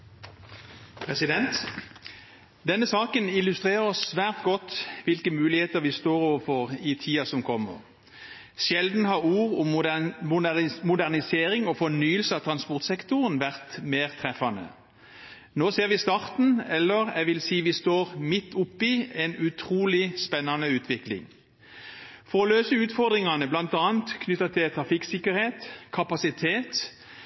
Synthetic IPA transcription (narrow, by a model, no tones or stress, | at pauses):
pʰʁɛsɪd̪ɛnt̪ | d̪ɛnːəsɑːkənɪlːʉst̪ʁeːʁəɾɔsːʋæːʁt̪ɡɔt̪ːʋɪlkəmʉːlɪheːt̪əʁʋɪst̪oːɾɔːʋəfɔʁɪt̪ʰiːɑsɔmkʰɔmːə̰ʁ | ʃjɛld̪n̩hɑʁuːʁʊmmʊmʊd̪æʁnɪseːʁɪŋɔfɔnyːəlsəɑt̪ʰʁɑnspɔʁt̪sɛkt̪ʊʁənʋæʁt̪meːʁt̪ʰʁɛfɑnə̰ | noːseːʁʋɪst̪ɑʁt̪n̩ɛlːəʁɛ̰ʋɪlsiːʋɪst̪oːʁmɪt̪ːʊpːɪɛnʉt̪ʰʁuːlɪspɛnːɑnəʉːt̪ʰʋɪklɪ̰ŋ | fɔʁɔløːsəʉːt̪fɔʁd̪ʁɪŋɑnəblɑnt̪ɑːnt̪kʰnʏt̪ːɑt̪ʰɪlt̪ʰʁɑfɪksɪkəɾheːt̪kʰɑpɑsɪt̪ʰeːt̪